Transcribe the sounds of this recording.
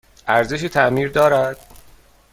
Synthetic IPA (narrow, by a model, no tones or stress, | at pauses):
ʔæɾzeʃ̬iːt̪ʰæʔmiːɾd̪ɒːɾæd̪̥̚